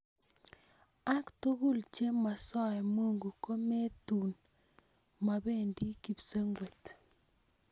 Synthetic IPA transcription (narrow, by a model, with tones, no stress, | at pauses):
a˦kto˦ɣu˦˨lt͡ʃe˦ma˨sɔ˦ɛ˨mo˦˨ŋɡu˨ko˦me˦tu˨n | ma˨be˦˨ndi˦ki˨pse˦ŋɡwe˨t